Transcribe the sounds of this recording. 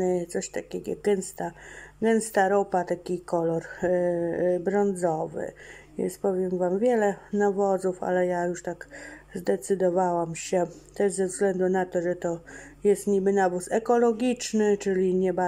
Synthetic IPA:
t̪sɔɕt̪akʲɛɡɔ̰ɡɛnst̪aɡɛnst̪aɾɔpat̪akʲikɔlɔɾ | bɾɔnd̪zɔvɘ̰vjɛ̰nspɔvʲjɛmvamvʲjɛlɛnavɔd̪zufa̰lɛjajuʂt̪aɡzd̪ɛt̪sɘd̪ɔvawamɕɛt̪ɛʐzɛvzɡlɛnd̪unat̪ɔʐɛt̪ɔjɛst̪ɲibɘnavusɛkɔlɔɡʲit͡ʂnɘt͡ʂɘlʲiɲɛba

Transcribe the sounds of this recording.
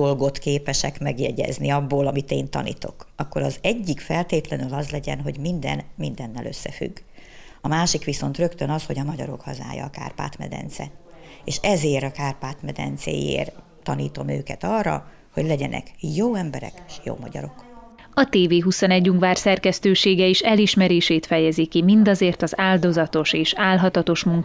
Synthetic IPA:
olɡo̞t̪keːpɛʃɛkmɛɡjɛɟɛ̰zniɒbːoːlɒmit̪eːnt̪ɒ̰nḭːt̪o̞kɒkːo̞ɾɒzɛɟːikfɛlt̪eːt̪lɛnylɒzlɛɟɛnɦo̞ɟmind̪ɛnmind̪ɛnːɛlʔø̞sːɛfy̰ɡːɒmaːʃikʋiso̞nt̪rø̞kt̪ønɒsho̞ɟɒmɒɟɒɾo̞khɒza̰ːjɒ̰ːka̰ːrpa̰ːt̪mɛ̰d̪ɛ̰nt̪sɛ̰eːʃɛzeːɾɒkaːrpaːt̪mɛd̪ɛ̰nt̪sḛːjḛːr | t̪ɒnḭːt̪o̞møːkɛt̪ɒrːɒ̰ | ho̞ɟlɛɟɛnʔɛ̰kjoːɛmbɛɾɛ̰kːʃjo̰ːmɒɟɒ̰ɾo̞k | ɒt̪eːveːɦusonɛɟːuŋkʋaːrsɛrkɛst̪øːʃeːɡɛeːʃɛliʃmɛɾeːʃeːt̪fɛjɛzikimind̪ɒzeːrt̪ɒzaːld̪o̞zɒt̪o̞ʃeːʃaːlɦɒt̪ɒt̪o̞ʃmuŋk

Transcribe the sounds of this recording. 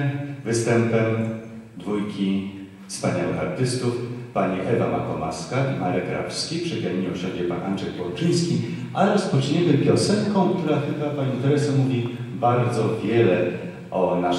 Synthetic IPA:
vɘst̪ɛmpɛmd̪vujkʲi | fspaɲawɘ̰xa̰ɾt̪ɘst̪ufpaɲiʔɛvamakɔma̰skamaɾɛkɾa̰pskʲipʂɛɡaɲiwɕɛnd͡ʑɛpanʔa̰nʐɛkpɔɾt͡ʂɘj̃skʲi | ʔaɾɔspɔt͡ʂɲɛmɘpʲjɔsɛŋkɔ̃w̃kt̪uɾaxɘbapaɲit̪ɛɾɛsɘmuvʲi | baɾd̪zɔvʲjɛlɛ | ʔɔna

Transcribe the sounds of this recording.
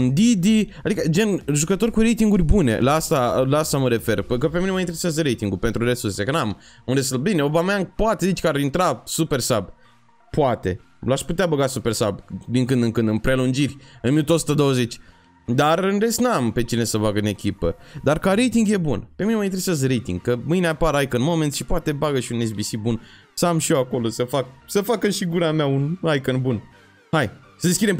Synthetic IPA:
ɨnd̪id̪iad̪ikəd͡ʒe̞nʒukət̪o̞rʲkuɾe̞jt̪iŋɡurʲbune̞̰laast̪alaast̪aməɾe̞fe̞rp̪ukəpe̞mineməint̪eɾesazəɾejt̪iŋɡulpe̞nt̪ɾuɾe̞sursekənamunɾes̬albineobameaŋpoat̪ezit͡ʃʲkəaɾint̪ɾasupe̞rsab | poat̪e̞̰ | laʃput̪eabəɡasupe̞rsa̰bd̪iŋkɨnd̪ɨŋkɨnd̪ɨnpɾelund͡ʒirʲɨnminut̪əosu̥t̪əd̪o̞wəze̞t͡ʃʲ | d̪arɨnre̞st̪nampe̞t͡ʃine̞səbaɡəɨne̞kʲipəd̪arkaɾejt̪iŋɡje̞bunpe̞minemajt̪ɾesesɾejt̪ḭŋɡkəmɨjneapaɾajkənmo̞ment̪ʃi̥poat̪ebaɡəʃiunes̬bisibun | səamʃioako̞lo̞səfak̚səfakəʃiɡuɾameaunajkənbun | haj | səd̪eskʲid̪em

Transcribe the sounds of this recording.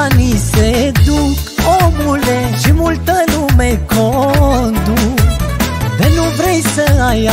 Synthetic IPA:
nised̪uk | omuleʃimult̪ənumekond̪usd̪enuvɾejsəaja

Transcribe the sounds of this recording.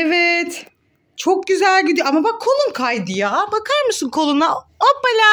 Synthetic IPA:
evɛt̪ | t͡ʃʰo̞k̚ɟyzælʲɟyd̪ijamabakʰːo̞lˠunkʰajd̪ɯjabakʰaɾmɯsɯnkʰo̞lˠunaopːalʲa

